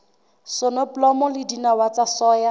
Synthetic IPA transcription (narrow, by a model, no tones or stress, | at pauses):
sɔnɔplɔmɔlɪdinawat͡sasɔːja